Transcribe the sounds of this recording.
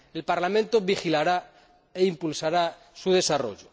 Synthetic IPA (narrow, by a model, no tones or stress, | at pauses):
e̞lpaɾlamẽnt̪oβixilaɾa | eimpulsaɾa | suð̞e̞saro̰ʎo